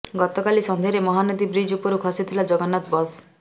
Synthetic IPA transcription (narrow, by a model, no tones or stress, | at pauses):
ɡɔt̪ɔkalisɔnd̪ʱeɾemɔɦanɔd̪ibɾid͡ʒupuɾukʰɔsit̪ʰilad͡ʒɔɡɔnat̪bɔs